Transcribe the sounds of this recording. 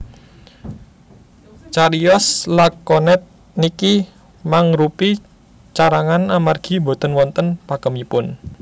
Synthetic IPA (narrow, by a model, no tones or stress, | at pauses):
t͡ʃaɾiɔslakːɔnɛt̪̚ | niki | maŋɾupi | t͡ʃaɾaŋanamarɡ̥i̤bo̤t̪ənwɔnt̪ənpakəmipʊn